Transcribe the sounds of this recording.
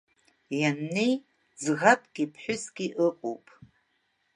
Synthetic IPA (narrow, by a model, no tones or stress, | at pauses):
janːej | zɣapʼɡʲʼipʰħʷᶣʊsɡʲiʔɨqʷʼo̰wpʼ